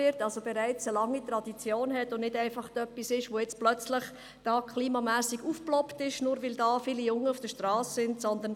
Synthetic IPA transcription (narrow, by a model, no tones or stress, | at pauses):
ɪɾtɑlzob̥ɛɾæɪt͡səlɑŋːitɾɑd̥it͡sjoːnɦɛtʊnnɪdæɪfɑχtœpːisɪʃʋojɛt͡splœt͡slɪχ | d̥ɑːkχliːmɑmæːsiɡuːfplɔptɪʃnuːɾʋɪldɑːfiːlijʊŋːəufd̥əʃtrɑːssɪntsɔndən